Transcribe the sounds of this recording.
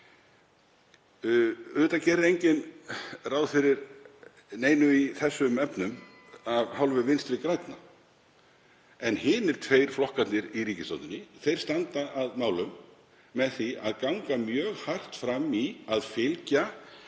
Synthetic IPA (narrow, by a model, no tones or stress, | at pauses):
ʏːt̪acɛːɾɪejɲcɪnraːwðfɪɾɪɾ | neːjnʏiθɛsːʏmɛpnʏm | avhawlvʏvɪnst̪ɾɪkɾajt̪na | ɛnhɪːnɪɾ̥t̪ʰveːjɾ̥flɔhkat̪nɪɾiriːcɪst̪ant̪ʏnːɪθejɾ̥st̪ant̪aʔaðmaːwlʏmː | ɛðθiaðkaŋkamjœːɣhar̥t̪fɾamːiaðfɪlca